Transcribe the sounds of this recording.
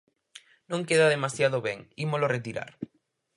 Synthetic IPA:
nõŋkeðaðemasjað̞oβeŋimoloret̪iɾa̰ɾ

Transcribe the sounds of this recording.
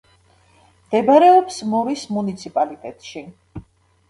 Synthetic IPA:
md̪̥ɛbaɾɛɔpsmɔɾismunit̪sʰipʼalit̪ʼɛt̪ʼʃi

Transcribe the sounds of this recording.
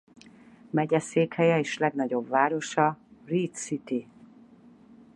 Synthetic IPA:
mɛɟɛseːkhɛjɛeːʃlɛɡn̪ɒɟo̞bvaːɾo̞ʃɒrit̪sit̪i

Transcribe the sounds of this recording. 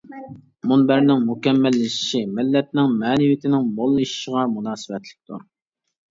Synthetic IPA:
munbæɾnɪŋmukʲɛmːɛlːɪʃi̥ʃimɪlːɛt̪̚nɪŋmɛːnɪwit̪ʰɪnɪŋbolˠːuʃi̥ʃəʁɑmunɑːsɨwɛt̪lɪ̥k̚ʲt̪ʰṵɾ

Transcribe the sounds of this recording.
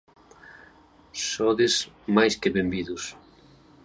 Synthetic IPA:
sɔðɪs | majskɪβembiðʊs

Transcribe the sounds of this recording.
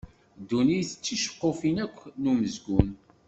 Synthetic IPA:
d̪ːunijθət͡sːiʃə̥qːofinækʷːnuməzɡun

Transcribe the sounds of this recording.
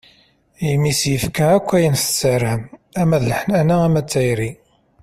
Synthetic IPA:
jəmːisjəfkæækʷːæjənst͡sːərːəmæmæðləħnænaæmæt͡sːæjɾi

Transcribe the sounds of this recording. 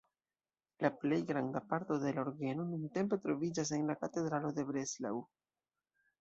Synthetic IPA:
laple̞jɡɾandapaɾto̞de̞laoɾɡe̞no̞nunte̞mpe̞tɾo̞vid͡ʒas̬e̞nlakate̞dɾalo̞de̞bɾesla̰w

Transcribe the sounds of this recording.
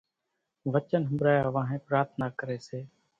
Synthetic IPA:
ʋət͡ʃənɦəmbɾaːjaːʋãːɦẽːpɾaːɾt̪ʰnaːkəɾeːseː

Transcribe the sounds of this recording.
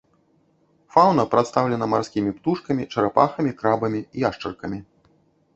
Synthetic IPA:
fawnɐpɾat̪st̪awlʲɛnɐmarsʲkʲimʲipt̪uʂkɐmʲit͡ʂɐɾapaxɐmʲikɾabɐmʲiiaʂt͡ʂɐrkɐmʲi

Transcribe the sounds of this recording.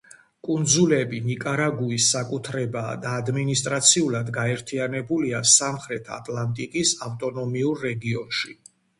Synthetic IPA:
kʼund̪zulɛbinikʼaɾaɡuisːakʼut̪ʰɾɛbaːd̪aːd̪minist̪ʼɾat̪sʰiulˠad̪ɡaɛɾt̪ʰianɛbuliasamχɾɛt̪ʰa̰t̪ʼlˠant̪ʼikʼisaft̪ʼɔnɔmiuɾːɛɡiɔnʃi

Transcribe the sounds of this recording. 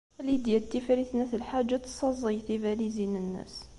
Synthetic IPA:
lid̪jæt̪ːifɾiθnæθəlħad͡ʒːat̪sˤɑzˤijθivæɾizinənːæ̰s

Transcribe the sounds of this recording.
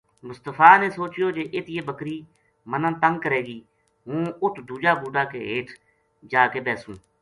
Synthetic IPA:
mʊst̪əfʰaːneːsoːt͡ʃɪjoːd͡ʒeːʔet̪ɪjeːbəkɾiː | mənə̃ːt̪əŋɡ̚kəɾeːɡiː | ɦũːʊt̪ʰd̪uːd͡ʒaːbuːɖaːkḛːɦḛːʈʰ | d͡ʒaːkeːbɛːsũː

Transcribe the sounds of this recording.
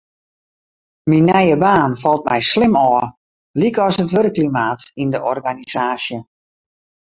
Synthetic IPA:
minːɛjəbaːnfɔlˠt̚mɛjslɪmɔə | likɔsətʋøɾəklimaːtindəʔɔrɡanizaːsjə

